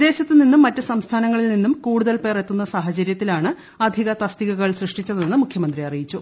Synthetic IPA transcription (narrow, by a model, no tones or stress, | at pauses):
d̪e̞ːɕɐt̪ːɨninːumːɐtːɨsɐmst̪ʰaːnɐŋːɐɭilninːumkuːɽuðɐlpe̞ːre̞t̪ːunːɐsaːɦɐt͡ɕɐɾjɐt̪ːilaːɳɨ | ɐd̪ʱiɣɐt̪ɐst̪iɣɐɣɐɭsrɨʂʈit͡ɕːɐðenːɨmukʰjɐmɐnd̪riɐrijit͡ɕːu